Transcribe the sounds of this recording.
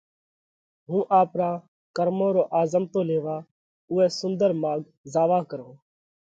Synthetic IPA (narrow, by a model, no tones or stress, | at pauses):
ɦũːʔaːpɾãː | kəɾmõːɾoːʔaːzəmt̪oːleːʋaː | ʊːɛːsʊnd̪əɾmaːɡ | zaːʋaːkəɾõː